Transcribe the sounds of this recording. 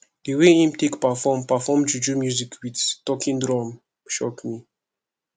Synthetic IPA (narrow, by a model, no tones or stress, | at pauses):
dəweĩmtekpafɔmpafɔmd͡ʒud͡ʒumjuzikʰwidtɔkʰĩndɹɔ̃m | ʃɔkmi